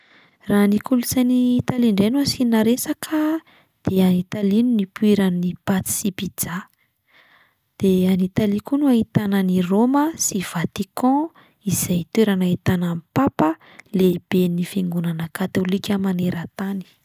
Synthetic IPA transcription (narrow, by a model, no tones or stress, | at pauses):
ranikulut͡sanit̪aliɳɖ͡ʐenuasinaɾesakʰə | d̪̥eanit̪alinunipuiɾənipat͡s̪i̥sipid͡za | d̪̥eanit̪alikunuait̪anəniroməsiv̥at̪ikɔ̃ | iz̥ajt̪weɾanaɦit̪anamipapə | leib̥enifiŋɡunanəkat̪olikʲəmaneɾət̪ani̥